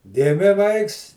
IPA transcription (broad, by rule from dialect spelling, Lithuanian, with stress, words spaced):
ˈɡʲɪmʲɪ ˈʋɐɪks